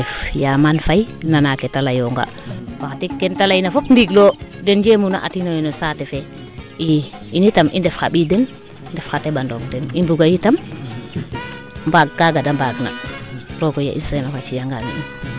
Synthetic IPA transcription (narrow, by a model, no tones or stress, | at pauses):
ɛfjamanfajnanaketalajɔŋɡa̰ | waxatikːɛntalajinafopndiɡlodɛnd͡ʒemuna̰ʔa̰tinojnosatɛfe | i | initamʔḭndɛfxaɓidɛn | ndɛfxatebandoŋdɛnimbuɡajitam | mbaɡːaɡadambaɡna̰ɾokoja̰ʔissenafat͡ʃijaŋɡanḭum